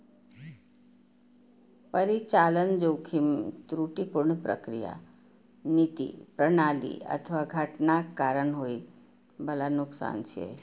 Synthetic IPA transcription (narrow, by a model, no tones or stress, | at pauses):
pəɾit͡ʃalənd͡ʒowkʰimt̪ɾuʈipuɾɳpɾə̰kɾija̰ | nit̪ḭpɾəɳalḭə̰t̪ʰəʋaɡʱəʈnakaɾəɳɦoi | bəlanʊksa̰nt͡ʃʰḛ